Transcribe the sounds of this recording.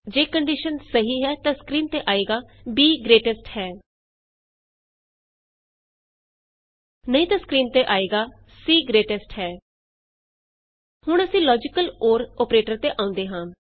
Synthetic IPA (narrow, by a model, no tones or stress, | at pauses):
d͡ʒeːkəɳɖiʃənsəɦiːɦɛːt̪ãːskɾiːnt̪eːʔaːeːɡaːbiːɡɾeːʈəsʈhɛː | nəĩːt̪ãːskɾiːnt̪eːʔaːeːɡaː | siːɡɾeːʈɛsʈhɛː | hʊɳəsĩːlɔːd͡ʒɪkəloːɾɔːpɾeːʈəɾt̪eːʔãːʊ̃nd̪eːɦãː